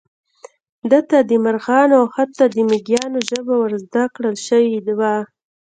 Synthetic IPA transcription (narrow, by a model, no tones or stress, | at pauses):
d̪ət̪ad̪əmaɾɣɑnawxat̪ːad̪əmɪɡjɑnoʒəbawəɾzd̪akɽəlʃəwid̪wa